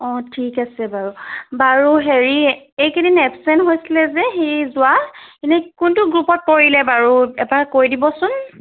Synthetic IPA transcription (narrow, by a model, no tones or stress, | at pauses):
ɔ̃tʰikasɛbaɹubaɹuɦeɹi | ejkedinɛpsɛnɦojsilɛzɛxejzʊwainɛkʊntʊɡɹupɔt̚poɹilɛbaɹuɛbaɹkojdibɔsʊn